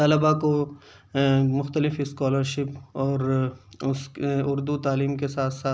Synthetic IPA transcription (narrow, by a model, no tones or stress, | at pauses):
t̪ɐlɪbako | mʊxt̪əlɪfɪskaːləɾʃɪpɔːɾʊsʊɾd̪ut̪aːliːmkesaːt̪ʰsaː